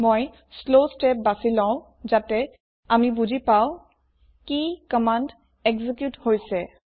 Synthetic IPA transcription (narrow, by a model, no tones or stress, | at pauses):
moj | slosʈep̚basilɔ̃ʊ̃ | zatɛ | amibuzipaʊ̃ | kikəmand | ɛkzikjuthojsɛ